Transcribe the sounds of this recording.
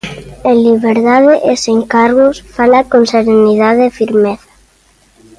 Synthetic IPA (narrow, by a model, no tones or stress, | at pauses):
eliβeɾðaðeʔeseŋkaɾɣʊsfalakonseɾeniðaðefiɾmeθḁ